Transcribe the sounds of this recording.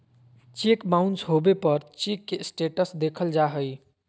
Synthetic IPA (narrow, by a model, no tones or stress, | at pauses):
t͡ʃekmaʊnsɦobepəɾt͡ʃikːesʈeʈəsd̪ekʰəld͡ʒaɦəj